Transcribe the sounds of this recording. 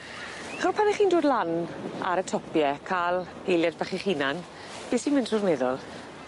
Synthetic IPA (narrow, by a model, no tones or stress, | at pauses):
aχɔrpʰanɛχiːndoːdlana̰ɾətʰɔpjɛkʰaːlˠhejljad̚baχiχinan | b̥eːsimɪndrʊrnɛðɔlˠ